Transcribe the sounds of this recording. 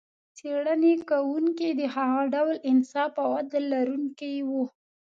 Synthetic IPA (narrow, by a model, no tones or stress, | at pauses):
t͡seɽənekawuŋkid̪əhaɣɑɖawlɪnsɑfawad̪əlaɾuŋkijwu